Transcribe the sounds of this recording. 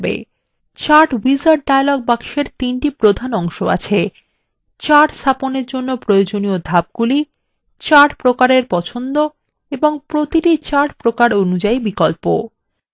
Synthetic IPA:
bḛ | t͡ɕaʈwizaɾɖ̚ɖajlɔɡ̚bakʃeɾt̪inʈipɾod̪ʱanɔŋʃoa̰t͡ɕʰe | t͡ɕaʈsaponeɾd͡ʑonːopɾojod͡ʑoniod̪ʱab̚ɡuli | t͡ɕaʈpɾokaɾeɾpɔt͡ɕʰond̪o | eboŋpɾot̪iʈit͡ɕaʈpɾokaɾonud͡ʑaibikɔlpo̰

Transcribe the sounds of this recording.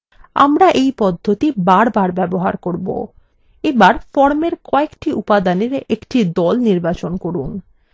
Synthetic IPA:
a̰mɾaʔejpɔd̪ʱːot̪ibaɾbaɾbɛboɦaɾkoɾbo̰ | ebaɾfɔɾmeɾkɔekʈiʔupad̪aneɾekʈid̪ɔlniɾbat͡ɕonkoɾun

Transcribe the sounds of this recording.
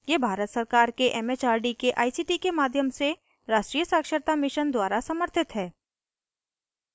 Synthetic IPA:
jebʱaːɾət̪səɾkaːɾkeʔɛːmeːt͡ʃaːɾɖikeʔa̰ːisiːʈikemaːd̪ʱjəmse | ɾaːʃʈɾiːjəsaːkʃəɾt̪amɪʃənd̪waːɾasɐməɾt̪ʰɪt̪ɦɛː

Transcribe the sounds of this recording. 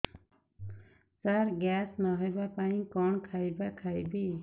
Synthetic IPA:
saɾɡaːsnaɦɔjbapaĩkɔːɳkʰaːjbakʰaːjbiː

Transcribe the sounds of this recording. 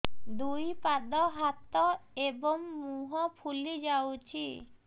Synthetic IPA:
d̪ujpad̪ɔɦat̪ɔebɔŋmuɦɔpʰulid͡ʒawt͡ʃʰi

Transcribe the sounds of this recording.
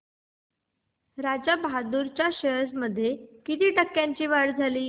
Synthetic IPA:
ɾad͡ʑəbad̪uɾt͡ɕjaɕəsməd̪ʱːjekit̪iːʈəkːjãɲt͡ɕiːʋaɽd͡zʱaliː

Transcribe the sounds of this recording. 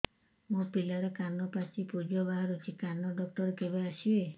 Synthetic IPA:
mũpilaɾɔkanɔpat͡ʃipud͡ʒɔbaɦaɾut͡ʃʰikanɔɖɔk̚ʈɔɾkebeasie

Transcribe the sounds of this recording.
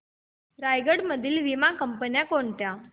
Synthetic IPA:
ɾajɡəɽməd̪ʱiːlʋimakəmpənjakoɳʈ̪ja

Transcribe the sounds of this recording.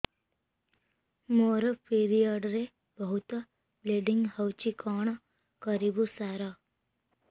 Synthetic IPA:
moɾəpʰiɾijaɖɾe | bəɦut̪ | bleɖɪŋɡɦəwt͡ʃikaːɳ̃ | kəɾibusaːɾa

